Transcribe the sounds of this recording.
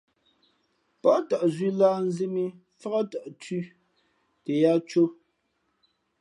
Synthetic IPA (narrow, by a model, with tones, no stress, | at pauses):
pɔ˦ta˨ʔzi˦laː˦n̩˦zi˦mi˦ | fa˦a˦ta˨ʔti˦ | te˨ja˦t͡ʃo˦